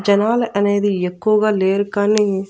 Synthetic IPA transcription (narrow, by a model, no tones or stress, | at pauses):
d͡ʒɐnaːlɐʔɐne̞ːd̪iekːuʋɐɡaːleːɾukaːni